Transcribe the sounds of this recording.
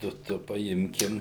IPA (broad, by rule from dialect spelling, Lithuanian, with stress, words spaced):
ˈtʊ ˈtʊ pɐˈɪmʲkʲɪm